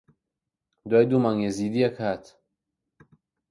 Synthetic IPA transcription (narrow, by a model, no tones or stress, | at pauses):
d̪waːjd̪umaŋezid̪iakhaːt̪